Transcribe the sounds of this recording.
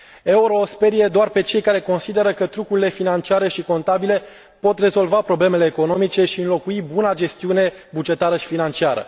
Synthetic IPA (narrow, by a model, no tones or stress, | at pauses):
e̞uɾo̞spe̞ɾije̞d̪oarpe̞t͡ʃe̞jkaɾe̞ko̞nsid̪e̞ɾəkət̪ɾukuɾile̞finant͡ʃiaɾe̞ʃiko̞nt̪abile̞ | po̞t̪re̞zo̞lvapɾo̞ble̞me̞le̞ːko̞no̞mit͡ʃe̞ʃiɨnlo̞kuibunad͡ʒe̞st̪iune̞bud͡ʒe̞t̪aɾəʃi̥finant͡ʃiaɾə̰